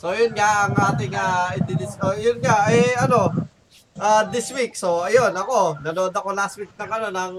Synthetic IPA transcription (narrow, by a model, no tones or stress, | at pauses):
so̞jʊnŋaʔɐŋʔaːt̪ɪŋɐɪd̪ɪnɪskojʊnŋaʔɛɐno̞ | ʔad̪ɪswik̚so̞ɐjo̞nɐko̞nɐnood̪ɐko̞last̪̚wik̚nɐŋɐno̞nɐŋ